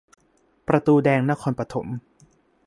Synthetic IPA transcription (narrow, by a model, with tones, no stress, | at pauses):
pɾa˧t̪uː˧dɛː˧ŋna˦˥kʰɔː˧npɾa˧t̪ʰo̰˩˦m